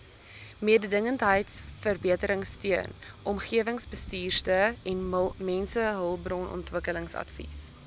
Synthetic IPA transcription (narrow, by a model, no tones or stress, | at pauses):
miədədəŋəntɦəjtsfərbiətəɾəŋstyənʔɔmχiəvəŋsbəstiːrtəɛnmɛnsəɦəlˠbrɔnʔɔ̰ntvəkələŋsɐ̰tfḭs